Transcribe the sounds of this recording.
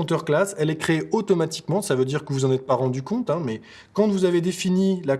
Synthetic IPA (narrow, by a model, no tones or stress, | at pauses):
t̪œʁklasɛlɛkχeot̪ɔmat̪i̥kmɑ̃savød̪iʁkəvuzɑ̃nɛt̪̚paʁɑ̃d̪ykɔ̃t̪ɛ̃mɛ | kɑ̃t̪vuzaved̪efinila